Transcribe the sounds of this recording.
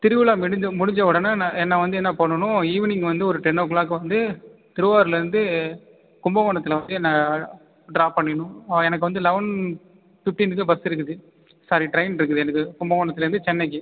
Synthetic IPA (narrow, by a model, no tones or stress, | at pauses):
t̪ɪɾɯʋlaːmɪɽɪɲd͡ʒɐmʊɽɪɲd͡ʒɐʋɔɽɐnːaːnãːɛnːɐʋɐnd̪ɯɛnːɐpɐɳːɐɳʊ̃iːʋɐnɪŋɡɐʋɐnd̪ɯɔɾɯʈɛɳːɐːk̬ɯɭaːk̬ɯʋɐnd̪ɯt̪ɪɾɯʋaːɾɪlɐɾɯnd̪ɯ | kʊmbɐmɐːɳɐt̪ːɯlɐʋɐnd̪ɯɛnːɐ | ɖɾaːpɐɳːɪɳʊ̃ɛnɐk̬ːɯʋɐnd̪ɯlɐʋɐn | fɪʈːɪnɯkːɯbɐsɪɾɯk̬ːɯðɯ | saːɾiʈɾɐɪnɪɾɯkːɯðɯɛnɐkːɯkʊmbɐʋɐːɳɐt̪ːɪlɐɾɯnd̪ɯt͡ʃɛnːɐɪk̬ːɯ